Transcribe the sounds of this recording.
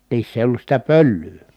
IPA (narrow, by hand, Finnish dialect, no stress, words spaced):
niːsː eˑi olːus sitæ pølːyː